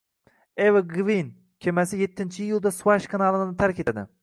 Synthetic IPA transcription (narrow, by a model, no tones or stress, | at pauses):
evɡvin | kʲʰemɛsɪjet̪ʰːɪnt͡ʃʰijulˠd̪ɛswɑʃkʰɑnɑlˠɨnɨnɨt̪ʰæɾkʲʰet̪ʰɛd̪ɪ̰